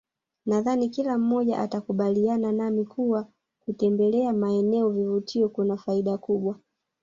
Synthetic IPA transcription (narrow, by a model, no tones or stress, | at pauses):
naðanikilam̩mɔʄa̰ʔatakuɓaliananamikʰuwa | kutɛmbɛlɛamaɛnɛɔvivutʰiɔkunafaiɗakuɓwa